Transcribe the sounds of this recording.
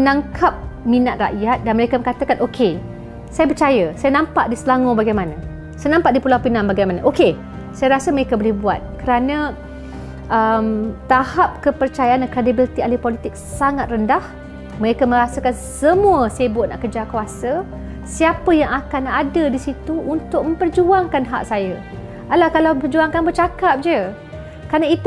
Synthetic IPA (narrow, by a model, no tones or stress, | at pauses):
mənaŋkʰap̚mĩnat̪̚ra̰ʔjat̪̚danməɾekamə̃ŋkat̪akanokʰe | sajap̬ərt͡ʃajasajanãmpaʔdisəlaŋõbaɡajmana | sajanãmpaʔdipulawpinãŋbaɡajmanaʔoke | sajaɾasəməɾekabolehbua̰t̪̚kəɾanã | ʔəmt̪ahap̚kəpərt͡ʃajaʔanakɾedibilit̪ialipolit̪ɪk̚saŋat̪̚rəndah | məɾekamə̃ɾasəkansəmũəsaəbuat̪̚na̰ʔkərd͡ʒakwasə | siapəjaŋakanadədisit̪uʔunt̪ʊk̚mə̃mpərd͡ʒuaŋkanɦa̰ʔ̚saja | alahkalawpərd͡ʒuaŋkanbərt͡ʃakap̚d͡ʒə | kəɾanãit̪